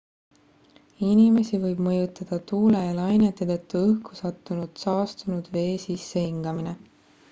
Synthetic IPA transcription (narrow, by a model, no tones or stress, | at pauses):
inʲime̞sivɤjb̥mɤjut̪ːˑɑd̪̥ɑt̪uːlejɑlɑjnet̪ːˑet̪ɤt̪ːuɤhkʰu̥sɑt̪ːˑunud̪̥sɑːst̪unud̪̥ve̞ːsisːehiŋɡ̥ɑmine